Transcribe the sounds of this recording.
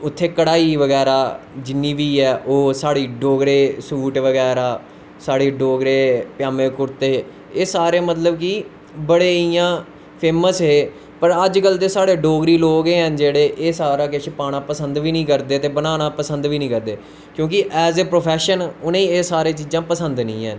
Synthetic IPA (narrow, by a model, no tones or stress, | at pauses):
ʊt̪ʰːeːkəɽaːiːʋəɡɛːɾaː | d͡ʒɪnːiːʋiːɛːʔoːsaːɽiːɖoːɡɾeːsuːʈʋəɡɛːɾaː | saːɽeːɖoːɡɾeːpjaːmẽːkʊɾt̪eː | eːsaːɾeːmət̪̬ləbkiː | bəɽeːɪjãː | pʰeːməsɦeː | pəɾəd͡ʒkəld̪eːsaːɽeːɖoːɡɾiːloːɡeːɦənd͡ʒeːɽeːʔeːsaːɾaːkeʃpaːɽaːpəsənd̪ʋiːnĩːkəɾd̪eːt̪eːbənaːnaːpəsə̃nd̪ʋiːnĩːkəɾd̪eː | kjõːkɪʔɛːzeːpɾoːpʰɛːʃənʊnẽːeːsaːɾeːt͡ʃiːd͡ʒãːpəsənd̪nĩːɦɛn